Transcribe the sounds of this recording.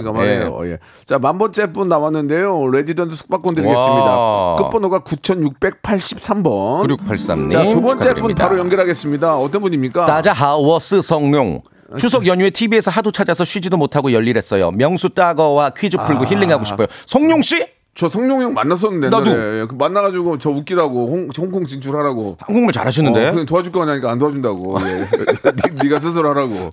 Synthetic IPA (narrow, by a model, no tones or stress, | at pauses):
kamaeejo̰je̞̰ | t͡ɕamambʌnt͡ɕ͈ep͈unːawanːɯnde̞joɾedidʌnsʰɯsʰɯ̥k̚p͈ak͈ʌndɯɾiɡessɯmɲidak͈ɯp͈ʌnoɡakut͡ɕʰʌnjuk̚p͈e̞k̚pʰaɭɕ͈i̥p̚s͈ambʌnɾ̚pʰaɭs͈a̰mɲaiobʌnt͡ɕ͈ep͈unpaɾojʌnŋɡʌɾɦaɡe̞s͈ɯmɲidaʌt͈ʌnbuɲimɲik͈atad͡ʑaɦawʌs͈ʰɯsʰʌŋɲoŋ | t͡ɕʰusʰʌɡjʌɲuetʰibie̞sʰʌɦadot͡ɕʰad͡ʑasʰʌɕʰɥid͡ʑidomotʰaɡojʌʎːiɾɦe̞s͈ʌjo̰mjʌŋsʰut͈aɡʌwakʰɥid͡ʑɯpʰɯɭɡoçiɭːiŋɦaɡoɕʰipʰojosʰʌŋɲoŋɕ͈i | t͡ɕʌsʰʌŋɲoŋjoŋma̰nːas̬͈ʌnːɯndenadujekmanːaɡad͡ʑiɡot͡ɕʌuk͈idaɡohoŋoŋkʰoŋt͡ɕint͡ɕʰuɾɭhaɾaɡo̰hanɡuŋmɯɭt͡ɕa̰ɾɦaɕʰinːɯndekɯtoad͡ʑuk͈ʌaɲaɲik͈aːntoad͡ʑundaɡo̰jeiniɡas̬ʰɯs̬ʰɯɾɭhaɾaɡo̰